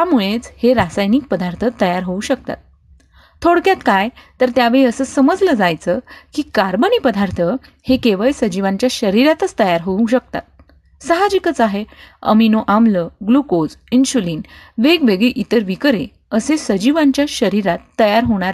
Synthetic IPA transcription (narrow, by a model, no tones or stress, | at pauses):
t̪jamuɭet͡sheɾasajniːk̚pəd̪ʱaɾt̪ʰət̪ːəjaɾɦouɕək̚t̪a̰t̪̚ | t̪ʰːoɽkjat̪kajt̪əɾt̪jaʋeɭiəsəːsəməd͡zləd͡zajt͡səːkiːkaɾbənipəd̪ʱaɾt̪ʰə | hekeʋəɭsəd͡ʑiʋãɲt͡ɕjaɕəɾiɾat̪ət͡st̪əjaɾɦouɕək̚t̪a̰t̪̚ | səɦad͡ʑikət͡saɦeə̰minoʔamləɡlukod͡zinsuliːnʋeɡʋeɡɭiʔit̪əɾʋikɾe | əsesəd͡ʑiʋaɲt͡ɕjaɕəɾiɾat̪ːəjaɾɦoɽ̃aɾe